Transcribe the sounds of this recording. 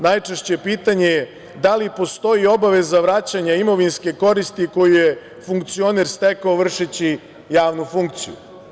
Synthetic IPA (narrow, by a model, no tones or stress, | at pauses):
najt͡ʂeʃt͡ɕepiːt̪aɲeje | d̪alipo̞st̪o̞jio̞baʋe̞zaʋɾat͡ɕaɲaimo̞ʋinske̞ko̞ɾist̪iko̞juje | fuŋkt̪sio̞neɾst̪ekaoʋr̩ʃet͡ɕi | jaːʋnufuŋk̚t̪sijṵ